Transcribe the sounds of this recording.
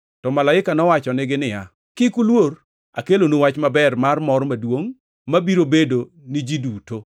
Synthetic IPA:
tɔmalaɪkanɔwat͡ʃɔnɪɡɪnɪja | kɪkulwor | a̰kelonowat͡ʃmabɛrmarmɔɾmadwoŋ | mabiɾobedo | nɪd͡ʒiduto

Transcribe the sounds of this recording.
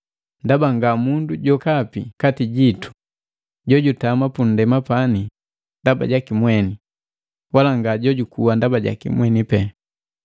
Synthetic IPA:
ndabaŋɡamunduɟɔkapikatiɟitu̥ | ɟɔɟutamapun̩dɛmapani | ndaba̰ɟakimwɛni | walaŋɡaɟɔɟukuwandabaɟa̰kḭmwɛnipɛ

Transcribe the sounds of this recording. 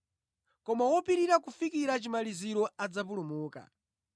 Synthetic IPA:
kɔmawɔpiɾiɾakufikiɾat͡ʃimaliziɾɔad͡zap̬ulumuːka̰

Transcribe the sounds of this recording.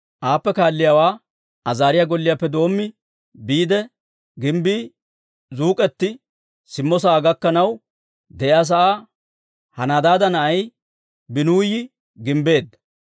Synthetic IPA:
ʔaːpːɛkaːlːɪjaːwaː | ʔɐzaːɾɪjaɡɔlːɪjaːpːɛd̪o̞ːmːɪ | biːd̪ɛ | ɡɪmbiː | zuːkʼɛt̪ːɪ | sɪmːɔs̬ɐːɡɐkːɐnɐw | d̪ɛʔɪaːs̬ɐʔaː | hɐnad̪aːd̪ɐnɐʔɐj | bɪnuːjɪ | ɡɪmbe̞ːd̪ːɐ

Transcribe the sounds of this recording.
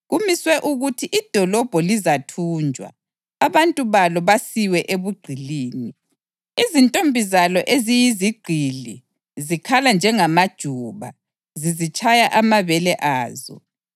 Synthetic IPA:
ɣumiswɛʔuɣutʰiʔid̥ʱɔlɔb̥ʱɔlizatʰuːnd͡ʒʱwa̰ | aβantʼuβalɔβasiwɛʔeβuɡ͡ǃʱiliːni | izintʼombʱizalɔʔezijiziɡ͡ǃʱili | zikʰaland͡ʒʱɛŋamad̥ʒ̥ʱuβa̰ | zizit͡ʃʰʼajaʔamaβɛlɛʔaːzɔ̰

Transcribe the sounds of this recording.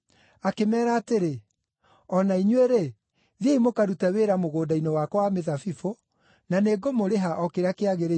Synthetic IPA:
akemɛːɾaːteɾe | ɔnaiɲweɾe | ðjeimokaɾutaweɾamoɣoːdainewakwameðafifo | naneːɡomoɾeɦaʔɔkeɾakeaɣeɾe

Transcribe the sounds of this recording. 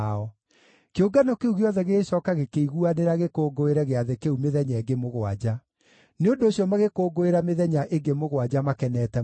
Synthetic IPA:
ɔ | keoɡanɔkeuɣeɔðɛɣeːɕɔːkaɣekeiɣuaneɾaɣekoːɡoeɾɛɣeaðekeumeðɛɲaeɡemoɣwa̰d͡ʑa | neondoːɕjɔmaɣekoːɡoeɾameðɛɲaʔeɡemoɣwad͡ʑamakɛnɛːtɛ

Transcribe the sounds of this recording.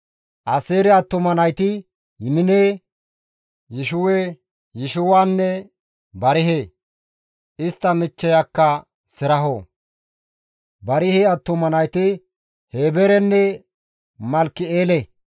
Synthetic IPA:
ʔɐseːɾɛɐt̪ːʊmɐnɐjt̪ɪ | jɪmɪneː | jɪʃʊweː | jɪʃʊwaːnːɛ | bɐɾɪɦe | ʔɪst̪ːɐmɪt͡ʃːɛjakːɐ | sɪɾɐɦɔ | bɐɾɪheːɐt̪ːʊmɐnɐjt̪ɪ | heːbɛɾɛnːɛ | mɐlkːɪeːlɛ

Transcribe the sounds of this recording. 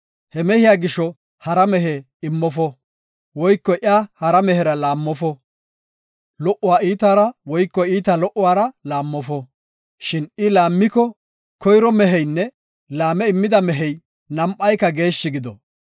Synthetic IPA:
hɛmɛhɪjaːɡɪʃːɔ | hɐɾɐmɛɦɛ | ɪmːɔfɔ | wɔjkːɔʔɪaːhɐɾɐmɛhɛɾɐlaːmːɔfɔ | lɔʔːʊwaːiːt̪aːɾɐwɔjkːɔiːt̪alɔʔʊwaːɾɐlaːmːɔfɔ | ʃɪnɪlaːmːɪkɔ | kɔjɾɔmɛɦɛjnːɛ | laːmɛɪmːɪd̪ɐmɛɦɛj | nɐmʔːɐjkːɐɡe̞ːʃːɪɡɪd̪ɔ̰

